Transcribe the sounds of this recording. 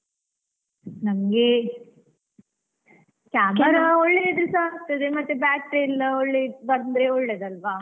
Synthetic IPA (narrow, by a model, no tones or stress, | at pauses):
nɐmɡe | kaːmkɐɾaɔɭːeid̪ɾesaɾt̪ed̪emɐt̪ːebaːk̚ʈɾelːɐoɭːebɐɾnd̪ɾeoɭːeːd̪ɐlʋa